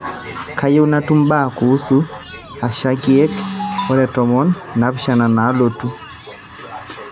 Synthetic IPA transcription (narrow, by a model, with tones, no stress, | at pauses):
ka˦je˦u˦na˦tu˦mba˦˨kuː˨˦su˦ | a˨ʃa˦ki˦ɛ˦kɔ˦ɾɛ˨tɔ˨mɔ˦nːa˨˦pʃa˨na˨na˨˦lo˨tu˦